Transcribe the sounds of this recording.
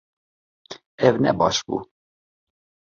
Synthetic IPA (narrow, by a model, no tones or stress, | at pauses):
ɛvnɛ̰bɑ̰ːʃbṵː